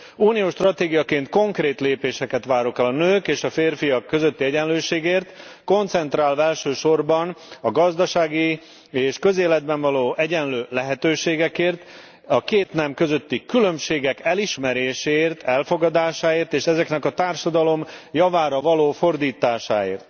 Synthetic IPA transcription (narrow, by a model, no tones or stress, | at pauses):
uːnijoːʃt̪rɒt̪eːɡijɒkeːnt̪ko̞ŋkreːt̪leːpeːʃɛkɛt̪ʋaːɾokɛlɒnøːkeːʃɒfeːrfijɒkːø̞zø̞t̪ːiɛɟɛnløːʃeːɡeːrt̪ko̞nt̪sɛnt̪raːlvɛlʃøːʃo̞rbɒnɒɡɒzd̪ɒʃaːɡi | eːʃkø̞zeːlɛd̪̚bɛɱvɒloːʔɛɟɛnløːlɛɦɛt̪øːʃeːɡɛkeːrt̪ | ɒkeːt̪nɛmkø̞zø̞t̪ːikylømʃeːɡɛkɛliʃmɛɾeːʃeːrt̪ʰɛlfo̞ɡɒd̪aːʃaːeːrt̪eːʃɛzɛknɛkɒt̪aːrʃɒd̪ɒlo̞mjɒvaːɾɒvɒloːfo̞rd̪iːt̪aːʃa̰ːḛːrt̪